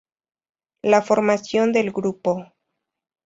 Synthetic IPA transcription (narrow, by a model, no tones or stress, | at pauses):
lafo̞ɾmasjo̞nd̪elɡɾupo